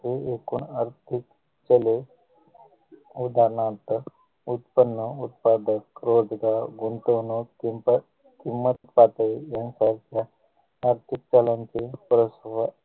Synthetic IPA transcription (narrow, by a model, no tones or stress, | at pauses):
t̪eekuːnaɾt̪ʰik | t͡ʃəle | ud̪aɾnãt̪ə | ut̪pənːəut̪̚pad̪əkɾoːd͡zɡaɾɡunt̪oːnukimp | kimːət̪pat̪əjansaɾkjaː | ɾt̪ʰik̚t͡ʃalant͡ʃepɾəsʋa